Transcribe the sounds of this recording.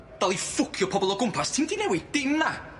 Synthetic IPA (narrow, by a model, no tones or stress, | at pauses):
d̥alˠifʊkʰjɔpʰɔbɔlˠɔɡʊmpʰastʰimtʰinɛwid̥ɪnːa